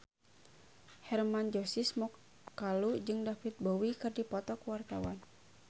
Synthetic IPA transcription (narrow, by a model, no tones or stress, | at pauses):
hɛrmand͡ʒɔsismɔk̚ | kalud͡ʒɨŋdafit̪̚bɔwikɨrdipɔt̪ɔkəwart̪awan